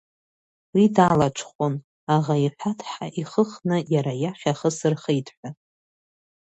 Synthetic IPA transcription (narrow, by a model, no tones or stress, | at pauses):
widalat͡ʃʷʰχʷon | aʁaiħʷᶣatʰħaʔiχəχnɨjaɾajaχʲaχəsɨrχejtʰʼħʷᶣa